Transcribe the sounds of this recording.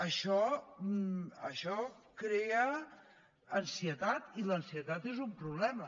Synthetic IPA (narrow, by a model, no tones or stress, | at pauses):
əʃɔ | ə̰ʃɔkɾeə | ənsiət̪at̪ilənsiət̪at̪ezumpɾuβ̞lɛmə